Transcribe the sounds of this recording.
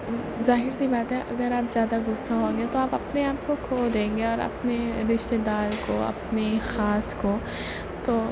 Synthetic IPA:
zaːɦɪɾsibaːt̪ɦɛʔɐɡəɾaːpzjaːd̪aɡʊsːaɦõːŋɡet̪oaːpɐpneaːpkokʰoːld̪ẽːŋɡeɔːɾɐ̰pneɾɪʃt̪ed̪aːɾkoɐ̰pnexaːsko | t̪oː

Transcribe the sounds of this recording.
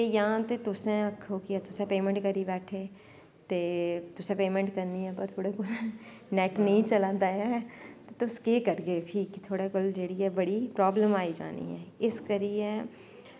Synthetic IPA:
ejɐɦãt̪et̪ʊsẽəkʰːokiɛt̪ʊsẽpeːmə̃ɳʈ̚kəɾibɛːʈʰeː | t̪eːt̪ʊsẽpeːmə̃ɳʈkəɾniɛpəɾt̪ʰoːɽekʊl | nɛːʈnəĩt͡ʃəlaːd̪aːt̪et̪ʊskeːkəɾɡeʈʰiːkt̪ʰoːɽekʊld͡ʒeːɽiɦɛbɐɽipɾɔːbləmaːid͡ʒa̰ːnḭɦɛ̰ːɪskəɾijẽ

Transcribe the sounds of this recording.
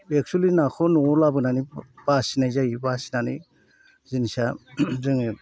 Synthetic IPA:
ek̚t͡ʃulinakʰɔnɔɔlabɯnanib̥asinajzaibasi̥nani | zinsazɯŋe

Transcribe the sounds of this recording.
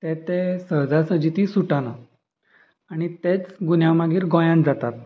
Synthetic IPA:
t̪ɛt̪esəɦd͡zasəd͡ʑit̪isuʈana | aɽ̃it̪et͡sɡunjamaɡiːɾɡɔ̃jãnd͡zat̪at̪̚

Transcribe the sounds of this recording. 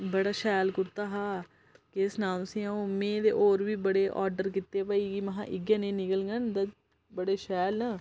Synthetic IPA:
bəɽaːʃɛːlkʊɾt̪aːɦaː | kɪsnaːmsĩːaoːmẽːd̪ḛːʔoːɾʋiːbəɽeːʔɔːɾɖəɾkit̪ːeːpəiːiːməɦã̰ːʔɪɡjãːnẽːnɪkəlŋɡənd̪a | bəɽeːʃɛːlnãː

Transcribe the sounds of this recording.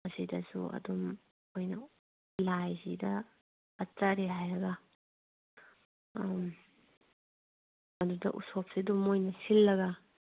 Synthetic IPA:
ɐsidɐsṵɐ̰dum | ojnɐ | lajzḭdɐː | t͡ʃaɾiɦajɾɐɡɐ | m | ɐdudɐ̰ʔusop̚sidumojnɐsilːɐɡɐ

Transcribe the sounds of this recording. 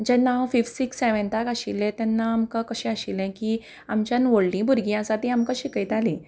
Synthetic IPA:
d͡ʑɛnawfifsikseʋɛnt̪akaɕilɛ̃t̪ɛnːaːmkakəɕɛ̃aɕilɛ̃ki | amt͡ɕjãnʋoɽlĩbʱuɾɡĩasat̪ĩamkəɕikəjt̪alĩ

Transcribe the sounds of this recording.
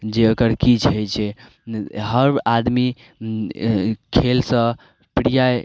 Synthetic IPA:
d͡ʒeokəɾkit͡ʃʰəjt͡ʃʰe | ɦəɾbad̪mi | kʰelsə̃ | pɾija

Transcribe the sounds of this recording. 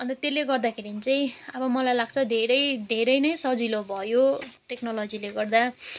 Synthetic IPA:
ʌnt̪ʌt̪elːeɡʌrd̪akʰeɾinit͡saj̃ʌbʌmʌlajlaɡ̚t͡sʰʌd̪ʱeɾʌjd̪ʱeɾʌjnʌjsʌd͡zilobʱʌjoʈeknʌlʌd͡zileɡʌrd̪a

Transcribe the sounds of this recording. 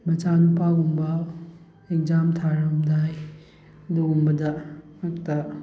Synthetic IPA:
bɐd͡ʒanupawumbɐ | ek̚zamtʰaɾɐmdaj | ɐduumbɐdɐ | ɐtːɐ

